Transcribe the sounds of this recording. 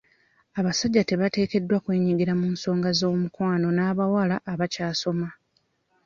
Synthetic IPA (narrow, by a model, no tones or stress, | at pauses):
aβasaɟːate̞βate̞ːke̞dːwakwe̞ːɲiɡiɾamuːnso̞ːŋɡazo̞ːmukwaːno̞naːβawalaʔːβacaːso̞ma